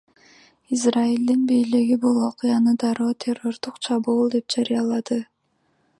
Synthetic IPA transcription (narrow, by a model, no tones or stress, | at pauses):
izraild̪inbijliɡibulˠo̞qɯjɑnɯd̪ɑɾoːt̪ʲʰe̞ro̞ɾd̪uqt͡ʃʰɑβuːlˠd̪e̞p̚d͡ʒaɾijɑlˠɑd̪ɯ